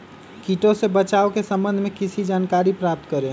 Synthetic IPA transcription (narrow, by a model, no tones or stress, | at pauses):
kiʈõsebət͡ʃaːokesə̃mbə̃nd̪ʱmẽkɪsid͡ʒaːnkaːɾipɾaːp̚t̪kəɾe